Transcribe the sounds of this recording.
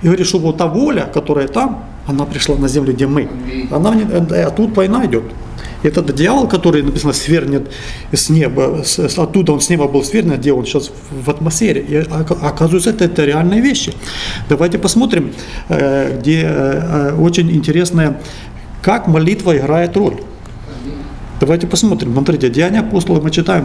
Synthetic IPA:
ɪɡəɐɾʲit̪ʂt̪oʋot̪ːavo̞lʲəkɐt̪o̞ɾəjət̪am | ɐnapɾʲɪʂlˠanɐzʲemlʲɪɡdʲemɨɐnanʲɪɐt̪ːut̪vɐjnaɪdʲo̞t̪ | ɪɛt̪ət̪dʲɪjavəlˠkɐt̪o̞ɾɨjnɐpʲi̥sənəsvʲerʲnʲɪt̪ | sʲnʲebəsʲsɐt̪ːud̪əo̞nsʲnʲe̞bəbɨlˠsʲvʲernʲɪndʲeonɕas | vɐt̪mɐsʲfʲeɾʲɪʔiɐkazʊjt̪səɛt̪əɛt̪əɾʲɪalʲnɨjəvʲeɕːɪd̪ɐvajtʲɪpɐsmo̞t̪ɾʲɪm | ɣdʲe | o̞t͡ɕɪnʲɪnʲtʲɪɾʲe̞snəjə | kakmɐlʲit̪vəɪɣɾajɪt̪ro̞lʲ | d̪̥ɐvajtʲɪpɐsmo̞t̪ɾʲɪmsmɐt̪ɾʲitʲɪdʲɪanʲɪɐposlˠəlˠəmɨt͡ɕɪt̪ajɪm

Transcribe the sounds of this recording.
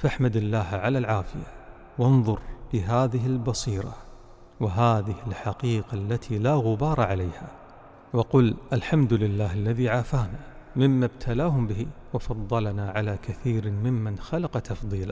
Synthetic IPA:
faħmad̪alːaːɦʕalalʕaːfɪja | wɪnðˤʊɾbɪɦaːðɪɦɪlbɑsiːɾˤɑ̰ | wɪɦaːðɪhɪlħaqiːqalːat̪ʰilaːɣʊbɑːɾˤɑʕalajha | wɑqʊlʔalħamd̪ʊlɪlːaːhalːaðiʕaːfaːnamɪmːabt̪ʰalaːɦʊmbɪhiwɑfɑðˤːɑlanaʕalaːkaθiːɾmɪmːanxalɑqɑt̪ɑfðˤiːla

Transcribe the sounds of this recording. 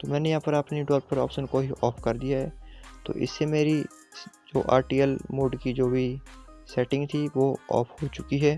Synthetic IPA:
t̪oːmɛ̃ːnejɐɦãːpɐɾɐpniɖɔːɾp̚pɐɾɔ̰ːpʃənkoɦiʔɔːfkɐɾd̪ijaɦɛːt̪o̰ːʔɪ̰sːemeːɾi | d͡ʒoːʔa̰ːɾʈijəlmoːɖkid͡ʒoːbʱisɛːʈɪ̃ŋɡt̪ʰiʋoɔ̰ːfhoːt͡ʃʊkiɦɛː

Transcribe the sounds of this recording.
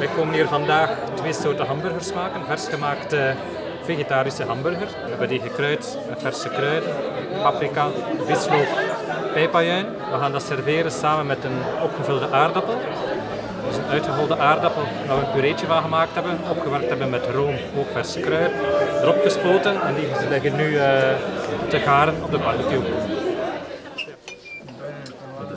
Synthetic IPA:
ʋɛjkoːməniːrvɑndaːxtʋeːsoːrtəɦɑmbɵrɣərsmaːkənvɛrsxəmaːktə | veːɣetaːɾisəɦɑmbɵrɣərs | ɛbətiːɣəkrœɥt | əvɛrsəkrœɥtpapɾikaʋɪtsloːppɛjpajœɥn | ʋəɣaːndɑtsɛrveːɾəsaːmənmɛtənɔpxəvɵlˠdəʔaːrdɑpəlˠ | dəzənœɥtxəɦɔlˠdəʔaːrdɑpəlˠʋaːʋəənpyɾeːt͡ʃəvɑnɣəmaːk̚tɦɛbənɔpxəʋɛrk̚tɦɛbənmɛtroːm | oːkfɛrsə̥kɾœɥrdəɾɔpxəspoːtənɛndilɪɣənːy | təɣaːɾənɔb̚dəkɑrɣəty

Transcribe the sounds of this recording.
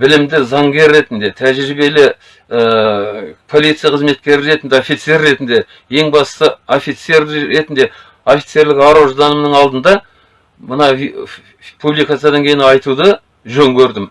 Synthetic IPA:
bɪlɪmd̪ɪzɑŋɡʲe̞ɾːe̞t̪ɪnd̪e̞t̪ʰæʒɾɾɪbe̞lɪ | ə | pʰo̞lijt̪sɨjaqʰəzme̞t̪̚kʲe̞ɾɪɾe̞t̪ɪnd̪eofit̪se̞rːe̞t̪ɪnd̪e̞ | je̞ŋbɑssəofit̪se̞ɾe̞t̪ɪnd̪e̞ | ofʲit̪se̞ɾlɪkɑɾoʒd̪ɑnəmnəŋɑlˠd̪ənd̪ɑ | mənɑ | pʰublijkat̪sjad̪ɑŋkʲʰe̞jɪnɑjt̪ud̪ə | ʒɵŋkʲʰɵɾd̪ɪm

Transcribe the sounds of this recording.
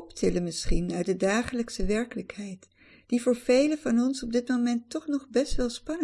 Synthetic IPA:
ɔptʰɪləmɪsχinœɥt̚dədaːχələksəʋɛɹkələkɦɛjt | d̥ivʊːɹv̥ejləvɑnɔnsɔb̚dɪtmowmɛntːɔχnɔχbɛstʋɛlˠspɑnə

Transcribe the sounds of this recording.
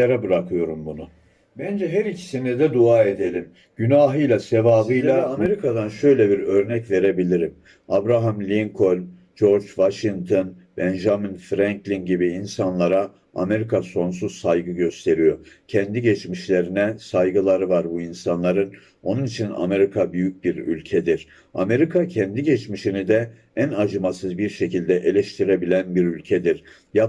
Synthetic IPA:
eɾɛbɯɾakʰɯjo̞ɾumbunu | bænd͡ʒɛɦæɾicʰi̥sinid̪ɛd̪uaːe̞d̪e̞lʲim | ɟynaːɦɯjlʲˠasevaːbɯjlˠaameɾikʰad̪anʃø̞jlʲɛbiɾø̞ɾnɛcve̞ɾe̞bilʲiɾim | abɾaɦamlʲiŋkʰo̞lʲ | d͡ʒo̞ɾd͡ʒvaʃiŋt̪ʰonbɛnʒaminfɾæŋklʲinɟibiːnsanlˠaɾa | a̰me̞ɾikʰaso̞nsuzsajɡɯɟø̞st̪ʰe̞ɾijo̞cʰɛnd̪iɟɛt͡ʃmiʃlʲe̞ɾinɛsajɡɯlˠaɾɯvaɾbuinsanlˠaɾɯn | o̞nunit͡ʃʰina̰me̞ɾikʰabyjyc̚biɾy̰lʲcʰɛd̪iɾ̥ | ame̞ɾikʰacʰɛnd̪iɟɛt͡ʃmiʃinid̪ɛ | ænad͡ʒɯmasɯzbiɾʃe̞cilʲd̪ɛʔe̞lʲɛʃt̪ʰiɾe̞bilʲænbiɾylʲcʰɛd̪iɾ̥ | ja

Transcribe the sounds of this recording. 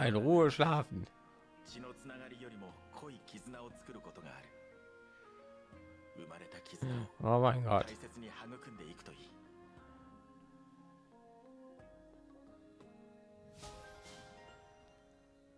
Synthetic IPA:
aɪnʁuːəʃlaːfn̩ | t͡ɕino̞t͡sɨnaɡaɾʲijo̞ɾʲimo̞ | kʰo̞ikʲizɨnao̞t͡sɨ̥kɯ̟ɾɯ̟ko̞t̪o̞ɡa̰ːɾɯ̟ | ɯ̟maɾe̞t̪akʲizɨnʔoːmaɪ̃nɡɔ̰t̪aise̞t͡sɨɲ̟ihaŋɯ̟kɯ̟̃nd̪e̞ikɯ̟t̪o̞iː

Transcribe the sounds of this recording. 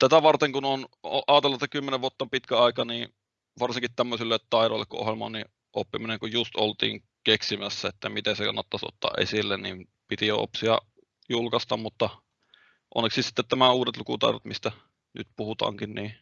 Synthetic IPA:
t̪æt̪æʋɑrt̪eŋkunonoʔɑːt̪elːɑt̪ːækymːeneʋuot̪ːɑmpit̪kæɑˑikɑniː | ʋɑrsiŋkit̪t̪æmːøsilːet̪t̪ɑˑiɾoˑelːḛkːṵʔo̰helmɑonni | ʔopːimineŋkujjust̪olt̪ḭːŋ | keksimæsːæet̪ːæmit̪ensekɑ̰nːɑt̪ːɑso̰t̪ːɑ̰ːʔʔḛsilːenim | pit̪ijoo̰psiɑ̰ | julkɑst̪ɑmmut̪ːɑ | ʔo̰nːeksissi̥t̪ːet̪næmæuːdet̪lukut̪ɑ̰ˑeɾot̪mist̪æ | ny̰t̪puhut̪ɑ̰ːŋkinniː

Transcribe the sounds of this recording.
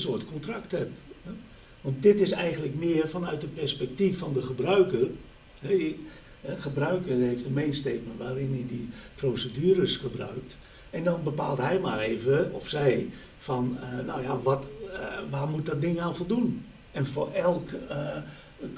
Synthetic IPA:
sʊətkʰɔntraktɛp̚ɛ | ʋɑnt̚dɪtɪsɛjɣəntləkmɪːərfɔnœɥtəpɛrspɛk̚tifːɔndəxəbrœɥkər | hɛ | ɛxəbrœɥkərhejftəmejnsteːt̚məntʋaːɾɪnidəprosədyəɾəsxəbrœ̰ɥk̚t | ɛndɔnbəpa̰ːlˠtɦɛjmareːvəɔfsɛj | fɔnənɔ̰wjaʋɔtʋaːrmut̚dɔt̚dɪŋaːnfɔlˠdun | ɛnfo̰ɛlˠk

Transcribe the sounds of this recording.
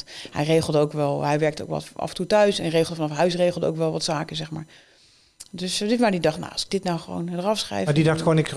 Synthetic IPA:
thɛ̰jrejχəlˠdəowkʋɛlˠɦɛjʋɛɹk̚to̰wkʋɑ̰tɑ̰fəntutœɥsɛ̰nrejχəlˠdəfɑnɑfɦœɥsrejχəlˠdəo̰wkʋɛlˠʋɑtsaːkənzɛχmaːɹ | dɵszɪtmaːɹdidɑχtna̰wɑsɪɡ̚dɪtnawχəʋo̰wndərɑfsχrɛ̰jmadidɑxtχəʋonɪks

